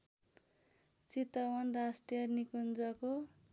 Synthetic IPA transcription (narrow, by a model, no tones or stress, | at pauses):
t͡sit̪ʌwʌnrasʈijʌnikund͡zʌko